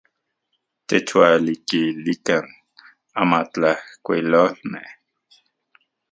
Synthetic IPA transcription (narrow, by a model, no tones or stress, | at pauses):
t̪et͡ʃwalikilikan | amat͡ɬahkʷilolmeh